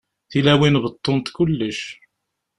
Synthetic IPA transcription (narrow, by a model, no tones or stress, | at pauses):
θilæwinbət̪ˤːont̪kʊlːəʃ